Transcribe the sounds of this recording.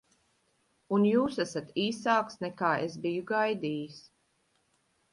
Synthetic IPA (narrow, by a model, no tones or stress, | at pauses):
unjuːsæsat̪iːsaːksnɛkaːesbijuɡajd̪iːjis